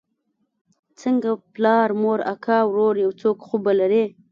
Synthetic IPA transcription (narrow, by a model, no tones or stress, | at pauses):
t͡səŋɡaplɑɾmoɾa̰kʰɑwɾoɾjawt͡sokxubalaɾe